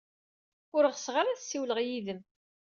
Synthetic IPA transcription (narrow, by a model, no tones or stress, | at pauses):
ʊɾəʁsʁaɾæθsːiwləʁjiðəm